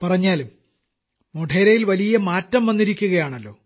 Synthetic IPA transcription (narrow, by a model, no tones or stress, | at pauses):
pɐrɐɲːaːlum | moɖʰʱeːɾɐjilʋɐlijɐmaːtːɐmʋɐnːiɾikʲːuɣɐjaːɳɐlːo̞̰ː